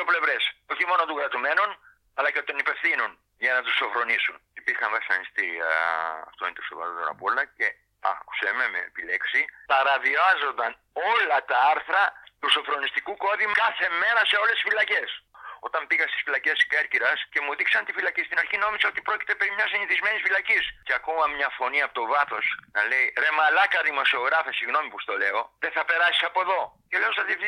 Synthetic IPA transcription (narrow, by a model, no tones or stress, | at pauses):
ople̞vɾe̞so̞çimo̞not̪oɣɡɾɐt̪ume̞non | ɐlɐce̞t̪o̞nipe̞fθinun | ʝɐnɐt̪usofɾo̞nisunipiɾxɐnvɐsɐ̰nist̪i | ɐ̰ft̪oint̪oso̰vɐ̰ɾot̪onɐ̰polɐce̞ | ɐ̰ku̥sememḛpile̞ksipɐɾɐviɐzo̞nd̪ɐn | o̞lɐt̪ɐɐɾθɾɐt̪usofɾo̞nist̪ikuko̞ðimkɐθe̞me̞ɾɐse̞o̞lest̪i̥sfilɐce̞so̞t̪ɐmbiɣɐst̪i̥sfilɐce̞skeɾciɾɐsce̞muðiksɐnt̪ifilɐcist̪inɐɾçino̞misɐot̪ipɾo̞ci̥t̪e̞pe̞ɾimɲɐsiniθizme̞nisfilɐcisceɐkomɐmɲɐfo̞niɐpot̪ovɐθo̞snɐle̞jɾe̞mɐlɐkɐðimo̞sio̞ɣɾɐfesiɣno̞mipust̪o̞le̞o̞ðeθɐpe̞ɾɐsi̥sɐpo̞ðo̞celeosɐði